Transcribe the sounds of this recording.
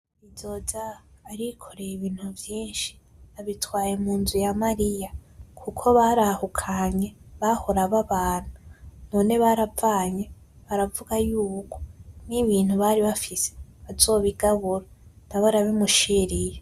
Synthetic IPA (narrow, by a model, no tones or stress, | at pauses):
izo̞zaːɾikʰo̞ɾejiβiːn̥huvjiːnʃi̥aβitwaːje̞muːnzijamaɾijakʰukʰo̞βaɾahukʰaɲe̞βahoɾaβaβaːn̥huno̞ːne̞βaɾavaːɲe̞ | βaɾavuɡajuːkʰo̞̥niβiːn̥huβaɾiβafise̥βazo̞ːβiɡaβuɾa | n̥aβaɾaβimuʃiɾije